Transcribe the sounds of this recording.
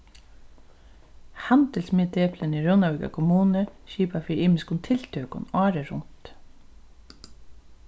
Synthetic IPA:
hant̪əlsmɪːt̪eːpləniɹownawɪka̰kʰʊmuːnəʃiːpafiːɾiːmɪskʊnt̪ʰɪlt̪ʰœːkʊ̰nɑːɾəɾʊnt̪

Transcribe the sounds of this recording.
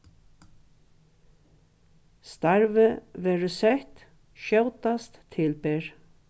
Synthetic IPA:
st̪aɹvɪʋɛːɹʏsɛht̪ | ʃœwt̪ast̪ʰːɪlpeːɹ

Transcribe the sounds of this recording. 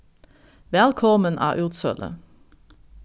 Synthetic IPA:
ʋɛlkʰɔmənʔæ̰ːʔʉːt̪sœ̰lʔə̰

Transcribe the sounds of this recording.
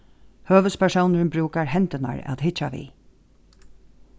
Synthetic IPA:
høːʋəspʰæʂownəɹnbɾʉːkaɹhɛnt̪ɪna̰ɹæ̰t̪ɦɪt͡ʃːaʋḭ

